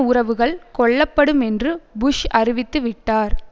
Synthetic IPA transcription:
ʊɾɐʋɯɣɐɭkɔɭːɐpːɐɽɯmɛndrɯbʊʂɐrɪʋɪt̪ːɯʋɪʈːaːɾ

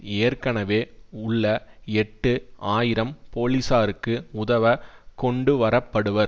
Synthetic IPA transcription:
eːɾkɐɳɐʋeːʊɭːɐɛʈːɯaːjɪɾɐmpoːlisaːɾɯkːɯʊðɐʋɐkɔɳɖɯʋɐɾɐpːɐɽɯʋɐɾ

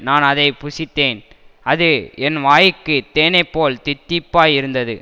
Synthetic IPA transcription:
naːnɐðɐɪpʊsɪt̪ːeːn | ɐðɯɛnʋaːjkːɯt̪eːnɐɪpːoːlt̪ɪt̪ːɪpːaːjɪɾɯnd̪ɐðɯ̰

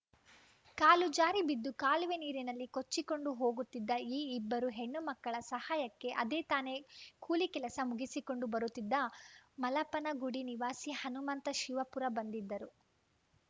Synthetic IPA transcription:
kaːlud͡ʒaːɾibid̪ːukaːlʋeniːɾinɐlːikot͡ʃːiko̞ɳɖuɦo̞ːɡut̪ːid̪ːɐiːbːɐɾuɦe̞ɳːumɐkːɐɭɐsɐhaːjɐkːe̞ʔɐd̪eːt̪aːne̞kuːlikɛlɐsɐmuɡisiko̞ɳɖubɐɾut̪ːid̪ːɐmɐlɐpɐnɐɡuɽiniʋaːsihɐnumɐnt̪ɐʃiʋɐpuɾɐbɐnd̪id̪ːɐɾu

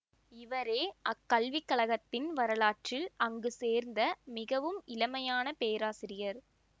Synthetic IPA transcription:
ɪʋɐɾeːʔɐkːɐlʋɪkːɐɭɐɣɐt̪ːɪnʋɐɾɐɭaːʈrɪlɐŋɡɯseːɾnd̪ɐmɪɣɐʋɯmɪlɐmɐjaːnɐpeːɾaːsɪɾɪjɐɾ

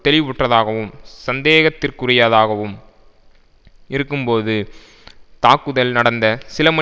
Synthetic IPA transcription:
t̪ɛlɪʋʊʈrɐðaːɣɐʋɯmsɐnd̪eːɣɐt̪ːɪrkʊɾɪjaːðaːɣɐʋɯm | ɪɾɯkːɯmpoːðɯ | t̪aːkːɯðɐlnɐɽɐnd̪ɐsɪlɐmɐ

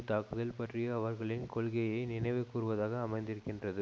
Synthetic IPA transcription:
t̪aːkɯðɐlpɐʈrijɐɐʋɐɾɣɐɭɪnkɔɭɣɐjɐɪnɪnɐɪʋɐɪkːuːrɯʋɐðaːɣɐːmɐɪnd̪ɪɾɯkːɪndrɐðɯ

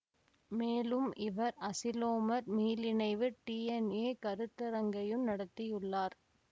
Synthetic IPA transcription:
meːlɯmʔɪʋɐɾɐsɪloːmɐɾmiːlɪnɐɪʋɯʈiːɛneːkɐɾɯt̪ːɐɾɐŋɡɐjɯmnɐɽɐt̪ːɪjɯɭːaːɾ

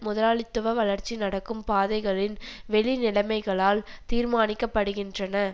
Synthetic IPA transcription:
mʊðɐlaːɭɪt̪ːɯʋɐʋɐlɐɾt͡ʃinɐɽɐkːɯmpaːðɐɪɣɐɭɪnʋɛɭinɪlɐmɐɪɣɐɭaːlt̪iːɾmaːnɪkːɐpːɐɽɯɣɪndrɐnɐ

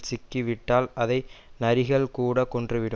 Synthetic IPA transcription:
sɪkːiʋɪʈːaːlɐðɐɪnɐɾɪɣɐɭkuːɽɐkɔndrɯʋɪɾɯ

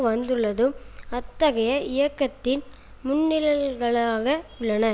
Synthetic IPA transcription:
ɯʋɐnd̪ɯɭːɐðɯmɐt̪ːɐɣɐjɐʔɪjɐkːɐt̪ːɪn | mʊɳːɪlɐɣɐɭaːɣɐʊɭːɐnɐ

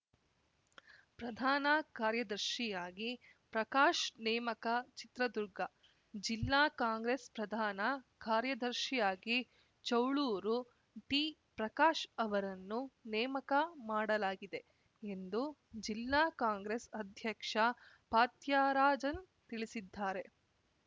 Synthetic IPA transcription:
pɾɐd̪ʱaːnɐkaːɾjɐd̪ɐɾʃijaːɡi | pɾɐkaːʃnɛːmɐkɐt͡ʃit̪ɾɐd̪uɾɡɐ | d͡ʒilːaːkaːŋɡɾespɾɐd̪ʱaːnɐkaːɾjɐd̪ɐɾʃijaːɡi | t͡ʃɐwɭuːɾu | ʈiːpɾɐkaːʃɐʋɐɾɐnːunɛːmɐkɐmaːɽɐlaːɡid̪e̞ | end̪ud͡ʒilːaːkaːŋɡɾesɐd̪ʱjɐkʂɐ | paːt̪jaːɾaːd͡ʒɐn | t̪iɭisid̪ʱːaːɾe̞

